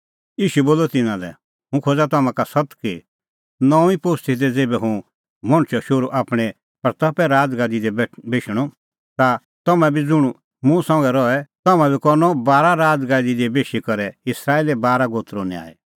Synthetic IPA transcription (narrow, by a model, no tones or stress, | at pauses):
iːʃuɛboːlɔt̪ɪnãlɛ̰ | ɦũkʰoːd͡zat̪ɐmãkasɐt̪ki | nɔ̃ːipost̪ʰɪt̪̬ɛd͡zeːbɛɦũ | mɔ̃ɽ̃t͡ʃʰɔʃʊɾuʔaːpɽ̃ɛ | pɐɾt̪ɐpɛɾaːd͡zɡaːd̪id̪ɛbbeːʃɽ̃ɔ | t̪a | t̪ɔmɛ̃bid͡zʊɽ̃ | mũsɔ̃ŋɡɛɾɔɛt̪ɐmãbʱikɔɾnɔbaːɾaɾaːd͡zɡaːd̪id̪ɛbeːʃikɐɾɛɪsɾaːeːlɛbaːɾaɡoːt̪ɾoːnia̰ːɛ̰